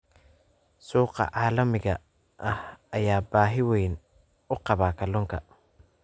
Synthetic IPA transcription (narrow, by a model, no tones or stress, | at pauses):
suːqɑ̰ʕɑːlɐmɪɣɐ | ʔɐhɐjaːbaːɦɪwɛjn | ʊqɑβaːkʰɐlɔŋkʰɐ